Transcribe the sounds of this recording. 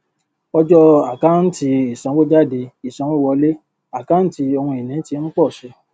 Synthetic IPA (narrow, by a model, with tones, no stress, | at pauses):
ɔ˧d͡ʒɔ˦a˨ka˦n̩˦ti˧i˨sã˧˦wo˦d͡ʒa˦˨de˧i˨sã˧˦wɔ̃˦wɔ˧˦le˦ | a˦˨ka˦n̩˦ti˧o˧hũ˧i˨nĩ˨˦ti˧˦n̩˦k͡pɔ˦˨ʃɛ˧˦